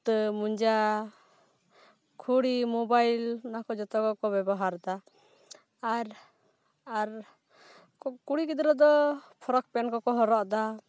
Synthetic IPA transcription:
t̪əmuɲd͡ʒa | kʰuɽimubajlnakɔd͡ʒɔt̪ɔkɔkɔbɛbɔɦaɾd̪aː | ɾ | aɾ | kuɽikid̪ɾɔd̪ɔpʰɔɾɔk̚pɛnkɔkɔɦɔɾɔʔd̪a

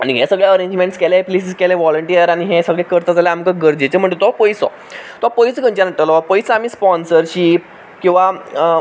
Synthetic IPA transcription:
a̰ɽ̃iɦɛsəɡɭjaəɾẽɲd͡ʑmẽɳʈskɛleplesiskɛleʋɔləɳʈiəɾaɽ̃iɦɛsəɡɭɛkəɾt̪ad͡zalaamkaɡəɾd͡ʑet͡ɕem̤əɳt̪ət̪ɔapəisɔ̰ | t̪ɔapəjsɡə̃ɲt͡ɕanəʈːəlɔpəjsamiːspɔnsəɾɕiː | kĩw̃ʋa

